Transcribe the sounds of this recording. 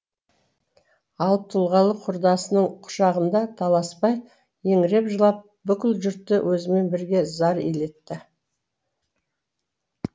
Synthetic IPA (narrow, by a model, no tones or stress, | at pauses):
ɑlˠp̚t̪ʰʊlˠʁɑlˠəqʰʊɾd̪ɑsənəɴqʰʊ̥ʃɑʁənd̪ɑt̪ʰɑlˠɑspɑj | je̞ŋɾe̞pʒəlˠɑp̚ | bʏkʲɪlʒʏɾt̪ːɪwʔɵzɪme̞nbɪɾɡʲe̞zɑɾele̞t̪ːɪ